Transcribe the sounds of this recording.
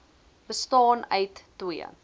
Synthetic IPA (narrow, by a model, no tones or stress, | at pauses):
bəstɑːnœɥtːwiə̰